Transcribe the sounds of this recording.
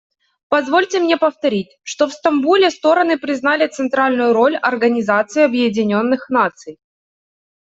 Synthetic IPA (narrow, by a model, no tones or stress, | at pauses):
pɐzvo̞lʲtʲɪmnʲe̞pəft̪ɐɾʲit̚ʲʂt̪o̞fst̪ɐmbulʲɪst̪o̞ɾənɨpɾʲɪznalʲɪt̪sɨnt̪ɾalʲnʊjʊɾo̞lʲɐrɡənʲɪzat̪sɨɪɐbjɪdʲɪnʲo̞nːɨxnat̪sɨj